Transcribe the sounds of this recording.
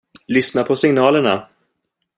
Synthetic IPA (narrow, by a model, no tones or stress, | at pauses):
lʏsnapʰɔsɪŋnɑːləɳa̰